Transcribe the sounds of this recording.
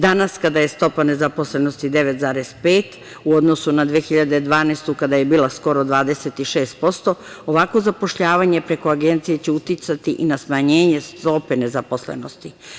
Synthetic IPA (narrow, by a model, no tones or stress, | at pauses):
d̪anaskad̪aje̞st̪o̞pane̞zapo̞slenost̪id̪e̞ʋet̪zaːɾespeːt̪ | uo̞d̪nosunad̪ʋeːxiʎad̪ed̪ʋaːnest̪ukad̪ajebiːlasko̞ɾod̪ʋaːd̪e̞set̪iʃeːst̪̚po̞st̪o̞ | oʋakʋo̞zapoʃʎaːʋaɲepɾe̞ko̞aɡe̞nt̪sije̞t͡ɕeut̪it̪sat̪iʔinasmaɲeːɲe̞st̪o̞pene̞zapo̞slḛno̞st̪i